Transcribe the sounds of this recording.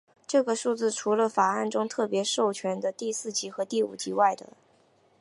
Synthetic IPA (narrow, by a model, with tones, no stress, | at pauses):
ʈ͡ʂɤ˥˩ɡə˩ʂu˥˧t͡sɹ̩˥˩ʈ͡ʂʰu˧˥lə˧fa˨˩a˥˩nʈ͡ʂʊ˥ŋt̪ʰɤ˥˩pjɛ˧˥ʂo˥˩ʊt͡ɕʰɥɛ˧˥nd̪ə˧t̪i˥˧sɹ̩˥˩t͡ɕi˧˥xɤ˧˥t̪i˥˩ṵ˨˩t͡ɕi˧˥wa˥˩ɪd̪ə̰˩